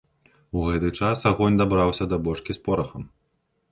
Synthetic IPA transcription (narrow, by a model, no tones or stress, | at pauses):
uɣɛt̪ɨt͡ʂasaɣɔnʲd̪abɾawsʲɐd̪ɐbɔʂkʲispɔɾɐxɐm